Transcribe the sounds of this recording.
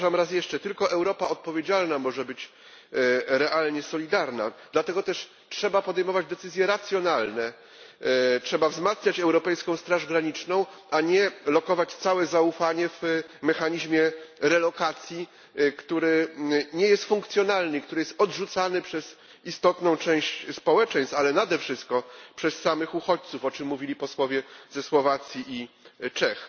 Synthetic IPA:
ʐamɾas̬jɛʂt͡ʂɛt̪ɘlkɔʔɛwɾɔpaɔt̪̚pɔvʲjed͡ʑalnamɔʐɛbɘt͡ɕ | ɾɛʔalɲɛsɔlʲid̪aɾna̰d̪lat̪ɛɡɔt̪ɛʂ | tʂɛbapɔd̪ɛjmɔvad͡ʑd̪ɛt̪sɘzʲjɛɾat̪sʲjɔnalnɛ | tʂɛbavzmat̪sɲat͡ɕɛwɾɔpɛjskɔ̃w̃st̪ɾaʐɡɾaɲit͡ʂnɔ̃w̃ | aɲɛlɔkɔvat͡ɕt̪sawɛzaufaɲɛvmɛxaɲiʑmʲjɛɾɛlɔkat̪sʲji | kt̪uɾɘɲɛjɛst̪fuŋkt̪sʲjɔnalnɘikt̪uɾɘjɛst̪ɔdʐut̪sanɘpʂɛz | ist̪ɔt̪nɔ̃w̃t͡ʂɛ̃w̃ɕt͡ɕspɔwɛt͡ʂɛ̃j̃st̪alɛnad̪ɛfʂɘst̪̚kɔpʂɛsːamɘxuxɔt͡ɕt̪sufɔt͡ʂɘmːuvʲilʲipɔswɔvʲjɛzɛswɔvat̪sʲjiʔit͡ʂɛx

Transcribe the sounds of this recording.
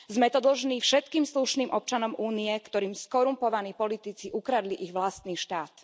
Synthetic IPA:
zmɛt̪ɔd̪l̩ʒniːfʃɛt̪kiːmsluʃniːmʔɔp̚t͡ʃanɔmʔuːniɛkt̪ɔɾiːmskɔɾumpɔʋaniːpɔlit̪it͡siʔukɾad̪liʔiɣʋlast̪niːʃt̪aːt̪

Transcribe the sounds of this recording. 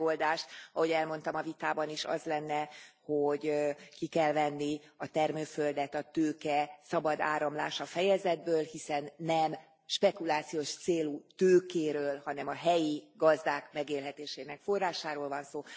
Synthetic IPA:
old̪aːʃt̪ɒho̞ɟɛlmo̞nt̪ɒmɒvit̪aːbɒniʃɒ̰zlɛnːɛhoɟkikɛlvɛnːiɒt̪ɛrmøːføld̪ɛt̪ɒt̪øːkɛsɒbɒd̪a̰ːɾɒmlaːʃɒfɛjɛzɛd̪̚bøːlhisɛnːɛm | ʃpɛkulaːt̪sijoːʃt̪seːlut̪øːkeːɾøːlhɒnɛmɒɦɛjiɡɒzd̪aːkmɛɡeːlɦɛt̪eːʃeːnɛkfo̞rːaːʃaːɾoːlvɒnsoː

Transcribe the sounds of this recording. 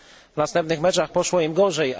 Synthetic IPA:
vnast̪ɛmpnɘxmɛt͡ʂaxpɔʂwɔimɡɔʐɛj

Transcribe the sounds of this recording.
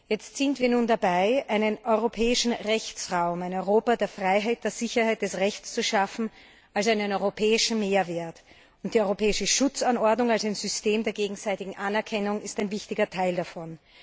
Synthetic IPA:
jɛt͡stsɪntv̥iːɐnuːndabaɪʔaɪnənʔɔʏʁopʰɛːɪʃn̩ʁɛçt͡sʁaʊmæɪnɔʏʁoːpɐdeːɐfʁ̥aɪɦaɪt̚d̥eːɐz̥ɪçɐhaɪt̚d̥ɛsʁɛçt͡st͡suʃafn̩ | ʔalsaɪnənɔʏʁopʰɛːɪʃn̩meːɐveːɐt | ʊntd̥iːɔʏʁopʰɛːɪʃəʃʊt͡sanɔɐdnʊŋalsaɪnzʏsteːmdeːɐɡeːɡŋ̩zaɪtɪɡŋ̩ʔanɛɐkʰɛnʊŋɪstaɪnvɪçtɪɡɐtʰaɪldafɔn

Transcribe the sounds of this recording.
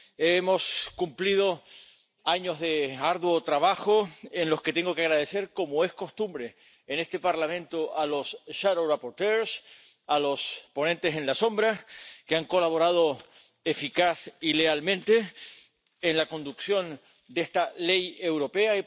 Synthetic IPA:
emo̞skumplið̞o̞ | aɲozðe̞aɾðwot̪ɾaβaxo̞enlo̞sket̪e̞ŋɡo̞keaɣɾaðe̞se̞ɾko̞moe̞sko̞st̪umbɾe̞ː | ne̞st̪e̞paɾlamẽ̞nt̪oʔalo̞sʃaðorapo̞ɾt̪eɾs | alo̞spo̞nẽ̞nt̪e̞sẽ̞nlasõ̞mbɾakeaŋko̞laβo̞ɾað̞o̞ | e̞fikasilealmẽnt̪e̞ː | nlako̞nd̪uksjo̞n | d̪est̪ale̞je̞wɾo̞pe̞a

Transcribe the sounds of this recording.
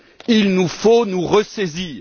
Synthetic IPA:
ilnufonuʁəsɛziːʁ

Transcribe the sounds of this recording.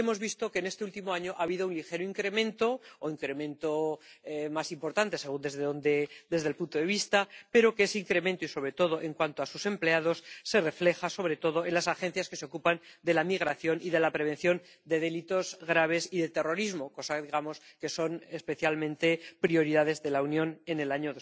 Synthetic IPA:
emo̞zβist̪o̞kene̞st̪e̞ult̪imoaɲo̞ʔaβiðounlixe̞ɾoiŋkɾe̞mẽ̞nt̪o̞oiŋkɾe̞mẽ̞nt̪o | masimpo̞ɾt̪ant̪e̞se̞ɣ̞und̪ezðeðond̪ed̪e̞zðelpunt̪oðe̞βist̪ape̞ɾo̞keeseiŋkɾe̞mẽnt̪oiso̞βɾe̞t̪o̞ð̞o̞ʔe̞ŋkwant̪oasuse̞mpleað̞o̞sːe̞re̞fle̞xaso̞βɾe̞t̪o̞ðo̞e̞nlasaxẽ̞n̟θjaske̞seokupand̪e̞lamiɣ̞ɾaθjonʔiðe̞lapɾe̞β̞e̞nθjo̞n | d̪e̞ðe̞lit̪o̞zɣɾaβ̞e̞siðet̪e̞ro̞ɾizmo̞ko̞saðiɣamo̞ske̞so̞nespe̞θjalmẽnt̪e̞pɾio̞ɾiðaðe̞zðe̞launjõ̞ne̞ne̞laɲoðo

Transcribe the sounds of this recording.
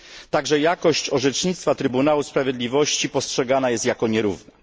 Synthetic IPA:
t̪aɡʐɛjakɔɕt͡ɕɔʐɛt͡ʂɲit̪st̪fat̪ɾɘbunawuspɾavʲjɛd̪lʲivɔɕt͡ɕipɔstʂɛɡanajɛst̪jakɔɲɛɾṵvnɛ

